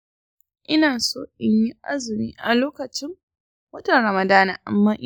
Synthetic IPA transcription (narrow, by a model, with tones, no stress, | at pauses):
ʔɪ˦naː˨soː˦ʔɪ˦ɲji˦ʔa̰˦zɪ˨miː˦ʔa˨loː˦kɐ˨t͡ʃɪ˦ŋ | wɐ˦tɐ˨nɾɐ˨mɐ˨daː˦na̰ː˨ʔa̰˨mːaː˦ʔ